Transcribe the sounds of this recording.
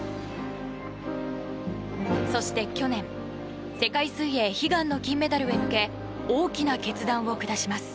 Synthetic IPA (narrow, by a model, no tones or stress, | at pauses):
so̞ɕi̥t̪e̞kʲo̞nẽ̞ɴ̃ | se̞kaisɨije̞çiɡãnːo̞kʲĩmːe̞t̪aɾɯ̟emɯ̟ke̞ | oːkʲinake̞t͡sɨd̪ãɰ̃o̞kɯ̟d̪aɕimasɨ̥